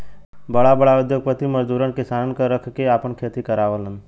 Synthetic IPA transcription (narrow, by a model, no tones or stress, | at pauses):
bəɽabəɽaʊd̪joɡ̚pət̪iməd͡ʒd̪uːɾənkɪsankəɾəkʰkeaːpəɳkʰet̪ikəɾaʋələn